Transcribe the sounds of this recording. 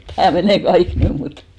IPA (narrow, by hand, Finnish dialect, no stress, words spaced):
tæː meneˑ kɑik nym mut